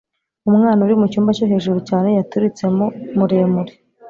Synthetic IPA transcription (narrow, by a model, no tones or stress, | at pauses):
umŋaːnauɾimucuːmbacoɦe̞ːʒuɾucaːne̞jatuɾit͡se̞momuɾeːmuɾi̥